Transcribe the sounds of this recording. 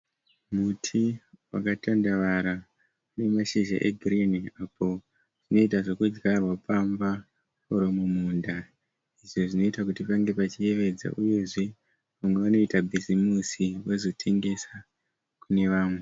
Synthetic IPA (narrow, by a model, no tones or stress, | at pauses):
mutʰiwa̰katandaʋaɾa | une̞maʃeʒa̰ʔeɡʱriniapʰo̞ | ʐ̥ino̞itaʐo̞kud͡ʒɡarwapamba | oɾomumuːnda | iʐo̞ʐino̞itakutipaŋɡe̞pat͡ʃie̞ʋe̞d͡za̰ʔuje̞ʐe̞ | ʋamwe̞ʋano̞itabʱizimusiwezo̞tʰe̞ŋɡe̞sa | kune̞ʋaːmwe